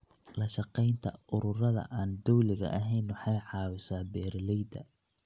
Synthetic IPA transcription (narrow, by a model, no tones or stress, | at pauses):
lɐʃɐqɛjnt̪ʰɐʔʊɾʊrɐðɐ̰ʔaːnd̪ɔwlɪɣɐ̰ʔɐɦɛjnwɑħɑjħɑːwɪsaːbɛːɾlɛjd̪ɐ̰